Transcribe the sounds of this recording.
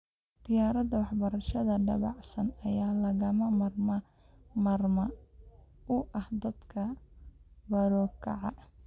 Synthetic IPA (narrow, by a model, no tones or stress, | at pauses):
d̪̥ɪjaːɾɐd̪ɐwɑħbɐɾɐʃɐðɐɖɐβɑ̰ʕsɐnɐjaːlɐɣɐmɐmɐrmɐ | mɐrmɐ | ʊʔɐhd̪ɐd̪kʰɐ | bɐɾɔːkʰɐ̰ʕɑ